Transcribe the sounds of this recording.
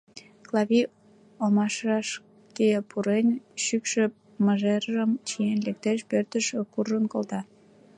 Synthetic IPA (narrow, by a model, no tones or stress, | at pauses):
klɑβi | omɑʃɑʃ | kepʰuɾenʲʃykʃø̆ | məʒerəmt͡ɕijenlek̚t̪eʃpørt̪əʃəkurənkolt̪ɑ